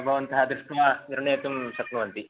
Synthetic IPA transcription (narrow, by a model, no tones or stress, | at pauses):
bʱɐʋɐnt̪ɐɦɐd̪ɾuʂʈʋaniɾɐɳeːt̪umsɐkɾɐʋɐnt̪i